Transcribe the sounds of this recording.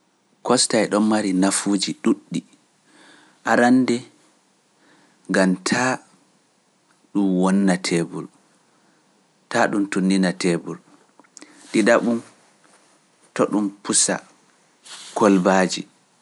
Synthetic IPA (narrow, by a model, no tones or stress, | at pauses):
kɔstaɛɗɔmmaɾinafud͡ʒiɗuɗːi | ʔaɾanːdɛ | ŋɡamtʰa | ɗumwɔnːatʰɛbṵl | taɗumtunːinatɛbul | ɗidaɓun | tɔɗumpusa̰ | kʰɔlbaːd͡ʒi